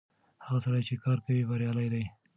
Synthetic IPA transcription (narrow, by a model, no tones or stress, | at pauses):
haɣasaɽajt͡ʃekɑɾkawibaɾjɑlajd̪aj